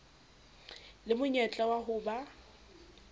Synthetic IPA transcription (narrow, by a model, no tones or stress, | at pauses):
lɪmʊɲɛt͡ɬʼawaɦʊːba